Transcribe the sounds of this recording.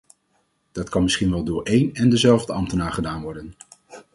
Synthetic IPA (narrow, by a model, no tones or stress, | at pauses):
d̥ɑtkɑnmɪsχinʋɛlˠdʊːɹʔejnɛndəzɛlˠvdəɑmtənaːɹχədaːnʋɔɹdən